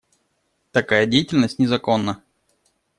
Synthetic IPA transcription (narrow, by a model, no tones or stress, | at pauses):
t̪ɐkajədʲejɪtʲɪlʲnəsʲtʲnʲɪzɐko̞nːə